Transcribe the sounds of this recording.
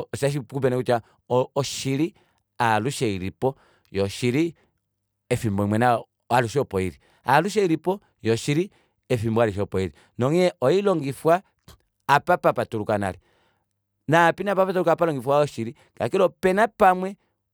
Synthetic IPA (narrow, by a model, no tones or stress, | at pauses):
ɔʃaʃ̬ikup̬ɛnɛkuta | ɔʃiɾi | aluʃɛiɾipɔ | jɔʃiɾi | ɛfimbɔimwɛna | aluʃɔpɔiɾi | aluʃ̬ɛiɾipɔ | jɔʃiɾi | ɛfimbwaluʃ̬ɔpɔiɾi | nɔŋiɛʔɔilɔŋɡifwaː | papapatuɾukana̰ɾi | napinapapatuɾukapalɔŋɡifwaɔʃiɾi | ka̰kiɾɔpɛnapamwɛ